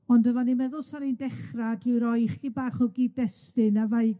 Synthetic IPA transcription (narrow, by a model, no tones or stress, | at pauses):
ɔndɔvɔnimɛðʊlˠsaɾindɛχraɡiwɾɔjχibaːχɔɡidɛstɨnavaɨɡ